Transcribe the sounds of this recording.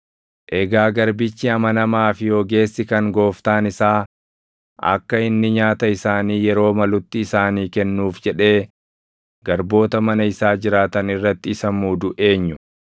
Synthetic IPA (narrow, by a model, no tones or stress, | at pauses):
ʔɛɡaːɡɐɾbɪt͡ʃːɪɐmɐnɐmaːfɪjoːɡe̞ːsːɪkɐŋɡo̞ːft̪aːnɪsaː | ʔɐ̰kːɐɪnːɪɲaːt̪ɐɪsaːniːjɛɾo̞ːmɐlʊt̪ːɪːsaːniːkɛnːuːfd͡ʒɛᶑe̞ː | ɡ̥ɐɾbo̞ːt̪ɐmɐnɐɪsaːd͡ʒɪɾaːt̪ɐnɪrːɐt̪ːɪɪsɐmuːd̪ʊʔe̞ːɲːʊ